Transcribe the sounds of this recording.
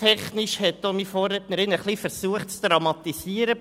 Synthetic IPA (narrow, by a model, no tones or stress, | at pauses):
tʰɛχnɪʃhɛt̪ːomifoːɾɛtnəɾɪnəχlifəɾsuəχtt͡sd̪̥ɾɑmɑt̪isiːəɾə